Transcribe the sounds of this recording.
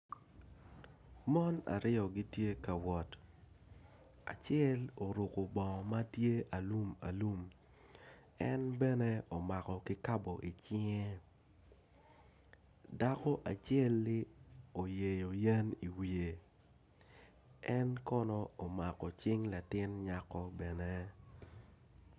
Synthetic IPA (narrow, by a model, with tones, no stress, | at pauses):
mɔ˦na̰˨ɾɪ˦ɔ˨ɡi˦tje˦ka˨wɔ˨t | a̰˨t͡ʃjɛ˦lo˨ɾu˨ko˨bɔ˨ma˦tje˦ʔa˨lu˦ma̰˨lu˦m | ɛ˦nbɛ˦nɛ˦o˨ma˨kɔ˨kɪ˦ka˦bɔ˨ʔi˨t͡ʃɪ˦ŋɛ˦ | da˦kɔ˦ʔa˨t͡ʃɛ˦lːɪ˦o˨je˨jo˨je˦ni˨wi˨e˨ | ɛ˦nkɔ˦nɔ˦o˨ma˨kɔ˨t͡ʃɪ˦ŋla˨tɪ˦nɲa˦kɔ˦bɛ˨nɛ˦